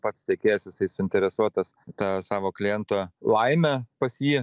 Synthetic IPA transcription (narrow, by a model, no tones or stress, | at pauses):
pɐt̪stʲɛkʲeːjɛsjɪsɐɪsʊɪnʲt̪ʲɛɾʲɛsuɔt̪ɐst̪ɑːsɑːʋoːklʲɪjɛnt̪olˠɐɪmʲɛpɐsjiː